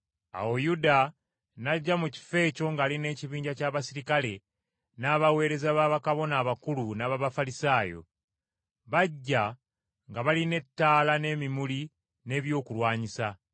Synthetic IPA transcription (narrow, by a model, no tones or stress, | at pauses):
a̰wo̞juda | naɟːamuci̥fe̞ːco̞ŋɡaːline̞ːciβiːɲɟacaːβasiɾikale̞ | naːβawe̞ːɾe̞zaβaːβakaβo̞naːβakulunaβaβafalisaːjo̞̰ | βaɟːa | ŋɡaβaline̞tːaːlane̞ːmimuli | ne̞βjo̞ːkulwaːɲisa